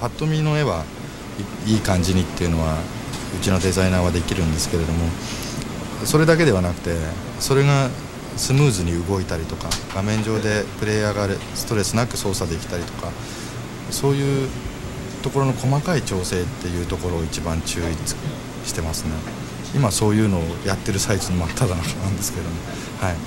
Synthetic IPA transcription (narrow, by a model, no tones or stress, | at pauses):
pat̪ːo̞mʲino̞e̞βa | iːkãɲ̟d͡ʑiɲ̟it̪ːe̞jɯ̟no̞β̞a | ɯ̟t͡ɕino̞d̪e̞zainaːβad̪e̞kʲiɾɯ̟̃nd̪e̞sɨ̥ke̞ɾe̞d̪o̞mo̞ | so̞ɾe̞d̪ak̬e̞d̪e̞β̞anakɯ̟̥t̪e̞ | so̞ɾe̞ɡa | sɨmɯ̟ːzɨɲ̟iɯ̟ɡo̞it̪aɾʲit̪o̞kaɡ̥amẽ̞ɲ̟d͡ʑo̞ːd̪e̞pɯ̟ɾe̞ːjaːɡaɾesɨ̥t̪o̞ɾe̞sɨnakɯ̟so̞ːsad̪e̞kʲi̥t̪aɾʲit̪o̞ka | so̞ːjɯ̟ː | t̪o̞ko̞ɾo̞no̞ko̞makait͡ɕo̞ːse̞ːt̪ːe̞jɯ̟ːt̪o̞ko̞ɾo̞ːit͡ɕibãɲt͡ɕɨːit͡sɨ̥ | ɕi̥t̪e̞masɨne̞ | imaso̞ːjɯ̟ːno̞ːjat̪ːe̞ɾɯ̟saizɨnomat̪ʰːad̪anaknaɯ̃nd̪e̞sɨ̥keed̪o̞mo̞ | hai